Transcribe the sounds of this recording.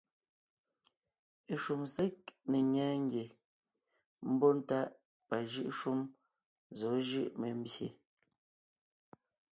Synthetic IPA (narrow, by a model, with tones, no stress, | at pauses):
ʃu˨mse˦k̚ne˨ɲɛː˨˦ŋ˦ɡje˨ | m̩˦bɔ˦n̩˦ta˦ʔ | pa˨ʒɯ˦ʔʃu˦m | zɔ˨˦ʒɯ˦ʔme˨m̩˦bje˨